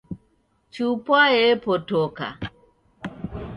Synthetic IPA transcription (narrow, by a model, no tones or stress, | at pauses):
t͡ʃupwaepɔtoka̰